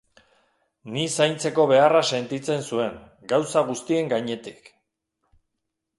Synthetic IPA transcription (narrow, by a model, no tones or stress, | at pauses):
nisajnt͡se̞ko̞β̞e̞arase̞nt̪it͡se̞nsue̞ŋ | ɡawsaɣ̞ust̪ie̞ŋɡaɲe̞t̪ik